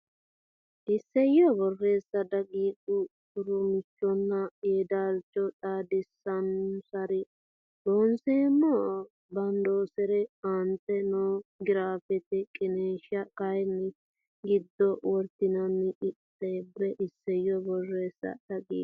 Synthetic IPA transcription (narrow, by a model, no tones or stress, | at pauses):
ʔɪsːɛjɔbɔrːeːsːɐd̪ɐɡiːd̪ʊ | ʊɾʊmɪt͡ʃːɔnːɐjɛd̪aːlt͡ʃːɔt̪ʼaːd̪ɪsːɐnsɐɾɪ | d̪onseːmɔ | bɐnd̪oːsɛɾɛɐnt̪ɛnɔɡɪɾaːfɛt̪ɛkʼɪneːʃɐkɐjnːɛ | ɡɪd̪ːɔwɔɾt̪ːɪnɐnːɪʔɪtːɛbːɛʔɪsːɛjɔbɔrːeːsːɐ̰d̪̥ɐɡḭː